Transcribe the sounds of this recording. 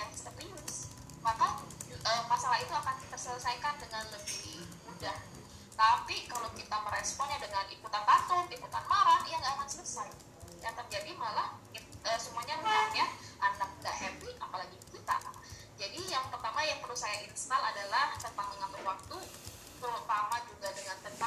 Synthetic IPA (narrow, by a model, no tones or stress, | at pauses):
astap̪ɾiʊs | makaʔəmasalahit̪uakandit̪asələsajkandəŋanləbi | udah | t̪apikalowkit̪aməɾespɔnɲadəŋanikut̪ant̪at̪ʊnikut̪anmaɾanjaŋɡaːkansələsaj | jat̪ap̚d͡ʒadimalahəsumahɲamaatɲaʔanak̚ndaʔhɛbia̰palaɡikit̪a̰ | d͡ʒadijaŋpərt̪amajaŋpərusajaʔinst̪aladalaht̪ənt̪aŋməŋabəlwak̚t̪u | bəɾut̪amad͡ʒuɡadəŋant̪ənt̪a